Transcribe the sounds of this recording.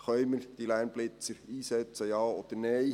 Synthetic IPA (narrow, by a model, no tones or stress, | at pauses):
χœʏməɾd̥ilæːnb̥lɪt͡səɾiːsɛt͡səjɑːɔd̪̥ənɛj